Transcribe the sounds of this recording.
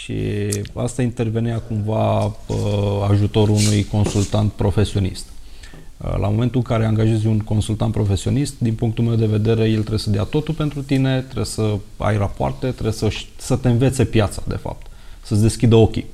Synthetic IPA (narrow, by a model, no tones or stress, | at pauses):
ʃḭa̰st̪aint̪e̞rve̞neakumvaəaʒut̪o̞ɾunujko̞nsult̪ant̪̚pɾo̞fe̞sio̞nḭst̪ | lʔa̰mo̞me̞nt̪ulɨŋkaɾe̞aŋɡaʒe̞zʲunko̞nsult̪ant̪pɾo̞fe̞sio̞̰nist̪d̪inpuŋk̚t̪ulmewd̪e̞ve̞d̪e̞ɾe̞je̞lt̪ɾe̞besəd̪eat̪o̞t̪ulpe̞nt̪ɾut̪ine̞t̪ɾebsəa̰jrapoa̰rt̪e̞t̪ɾebsəʃʲsət̪e̞nve̞t̪se̞pjat̪sḁd̪e̞̰fa̰p̚t̪səd̪e̞skʲid̪əo̞kʲi